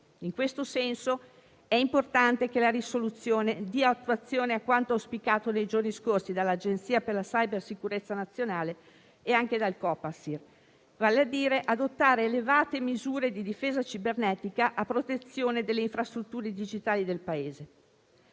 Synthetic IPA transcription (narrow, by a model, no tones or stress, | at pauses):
iŋkwest̪osɛnso | ɛimport̪ant̪ek̟elaɾisolut̪sːjoːned̪iːaat̪ːuat̪sːjoːneakwant̪oaspikaːt̪onejd͡ʒorniskorsid̪alːad͡ʒent̪siːaperlasajbersikuɾet̪sːanat̪sːjonaːle | eaŋked̪alkɔːpːasir | vaːlead̪iːɾeʔad̪ot̪ːaːɾeːlevaːt̪emizuːɾed̪id̪ifeːzat͡ʃibernɛːt̪ikaʔapːɾot̪et̪sːjoːned̪elːeiɱfɾast̪ɾut̪ːuːɾed̪id͡ʒit̪aːlid̪elpaeːze